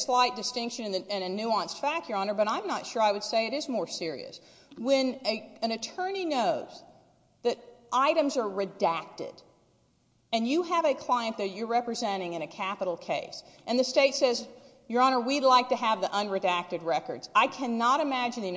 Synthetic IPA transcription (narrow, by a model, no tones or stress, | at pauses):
slaɪt̚d̥ɨstɪ̃ŋkʃɨ̃nɨ̃nɨɨ̃nɨnʉɑ̃nsfæk̚tə˞ɑnə˞bʌɾãɪ̃mnətʃʊɹaɪwɨd̥seɪɨɾɨzmɔɹsɪɹḭɨ̰s | wɨ̃nɨɨ̃nɨtʰɜ̃˞ninoʊz | ðɨɾʔaɪɾɨ̃mzə˞ɹɨdæk̚tɪ̰ɾ | ɨ̃njɨəvɨkʰl̥aɪɨ̃nðɨt͡ʃə˞ɹɛpɹɨzɛ̃ɾ̃ɪ̃ŋɨ̃ñɨkʰæpəɾl̩ˠkʰeɪsʔɨ̃nðɨsteɪtsɛz | jə˞ɑñə˞widˡlaɪk̚tɨːvðiʔʌ̃nɹɨdæk̚tɨd̚ɹɛkə̰˞dz̥aɪkʰænəɾɨmæd͡ʒɨ̃n̩ði